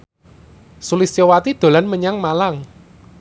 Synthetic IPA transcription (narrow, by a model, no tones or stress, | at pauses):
sulisowat̪id̪̥o̤lanməɲaŋmalaŋ